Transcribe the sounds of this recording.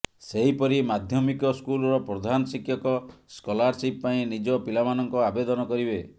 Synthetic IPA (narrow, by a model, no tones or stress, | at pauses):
seɦipɔɾimad̪ʱjɔmikɔskulɔɾɔpɾɔd̪ʱanɔsikʰjɔkɔskɔlaɾsippaĩnid͡ʒɔpilamanɔŋkɔabed̪ɔnɔkɔɾibe